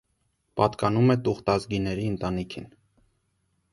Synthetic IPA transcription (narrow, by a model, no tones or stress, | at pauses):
pɑt̪kɑnumɛt̪uχt̪ɑzɡinɛɾiənt̪ɑnikʰḭn